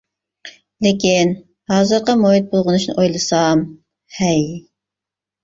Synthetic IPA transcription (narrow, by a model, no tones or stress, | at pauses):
lekʲin | hɑːzɨɾqɑmoɦit̪̚bolˠʁʊnuʃnɨ̰ʔojlˠɨsɑm | hɛj